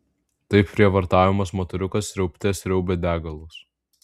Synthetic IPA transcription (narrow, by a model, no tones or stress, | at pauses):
t̪ɐɪpʲpʲɾʲiɛʋɐɾt̪ɑːʋʲɪmɐsmoːt̪ɐɾʲʊkɐsɾʲɛʊpʲt̪ʲeːsɾʲɛʊbʲed̪ʲæːɡɐlˠoːs